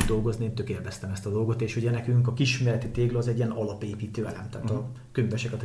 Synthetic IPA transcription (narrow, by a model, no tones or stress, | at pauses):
d̪o̞lɡo̞znieːnt̪ø̞keːrvɛst̪ɛmɛst̪ɒd̪o̞lɡo̞t̪eːʃhuɟɛnɛkyŋkɒkiʃmeːlɛt̪it̪eːɡlɒzɛɟːiɛnɒlɒpeːpiːt̪øːɛlɛ̰mt̪aːt̪ɒ | køɲvɛʃɛkɒt̪